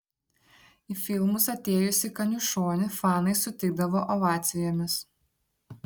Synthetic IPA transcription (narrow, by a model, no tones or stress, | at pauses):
ifʲɪlˠmʊsɐt̪ʲeːjʊsʲɪkɐnʲuʃoːnʲɪfɑːnɐɪsʊt̪ʲɪɡ̚d̪ɐʋoːʔɔʋɑːt̪sʲɪjoːmʲɪs